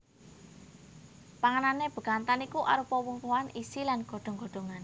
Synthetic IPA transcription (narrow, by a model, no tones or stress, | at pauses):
paŋənaneb̥ə̤kant̪anikuʔaɾupɔwuŋkoanʔisilanɡ̥o̤ɖ̥o̤ŋɡo̤̥o̤ŋan